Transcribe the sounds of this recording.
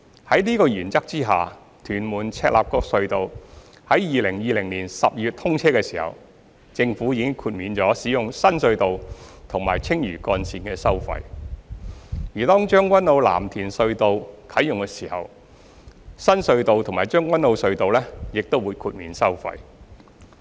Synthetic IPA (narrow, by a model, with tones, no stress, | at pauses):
hɐ˨˥jliː˥kɔː˧jyː˨˩nt͡sɐ˥k̚t͡siː˥ɦa̰ː˨ | t̪ʰyː˨˩nmuː˨˩nt͡sʰɛː˧k̚lʔa̰ː˨p̚kɔː˧k̚sɵ˧ɥt̪o˨w | hɐ˨˥jjiː˨˧lɪ˨˩ŋjiː˨lɪ˨˩ŋliː˨˩nsɐ˨p̚jyː˨t̚t̪ʰʊ˥ŋt͡sʰɛː˥kɛː˧siː˨˩hɐ̰˨˩w | t͡sɪ˧ŋfuː˨˥jiː˨˧kɪ˥ŋkʰuː˧t̚miː˨˧nt͡ʃɔː˨˥siː˨˥jʊ˨ŋsɐ˥nsɵ˧ɥt̪o˨wt̪ʰʊ˨˩ŋmaː˨˩jt͡sʰɪ˥ŋjyː˨˩kɔː˧nsiː˧nkɛː˧sɐ˥wfɐ̰˧j | jyː˨˩t̪ɔː˥ŋt͡ʃœː˥ŋkʷwʷɐ˥nlo˨˧wla̰ː˨˩mt̪ʰiː˨˩nsɵ˧ɥt̪o˨wkʰɐ˨˥jʊ˨ŋkɛː˧siː˨˩hɐ̰˨w | sɐ˥nsɵ˧ɥt̪o˨wt̪ʰʊ˨ŋmaː˨˩t͡ʃœː˥ŋkwɐ˥nlo˨˧wsɵ˧ɥt̪o˨wlɛː˥jɪ˨k̚t̪o˥wuː˨˧jkʰuː˧t̚miː˨˧nsɐ˥wfɐ̰˧j